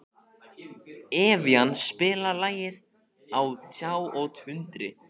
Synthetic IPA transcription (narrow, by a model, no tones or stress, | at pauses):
ɛːvjanːspɪːlalaːjɪð | awt̪ʰjaːwowt̪hʏnt̪ɾɪ